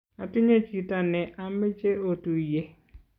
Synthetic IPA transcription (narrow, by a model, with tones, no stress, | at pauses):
a˨tu˦ɲe˦t͡ʃi˨ta˨nɛ˨ʔa˦mɪ˦t͡ʃe˦o˨tu˨je˦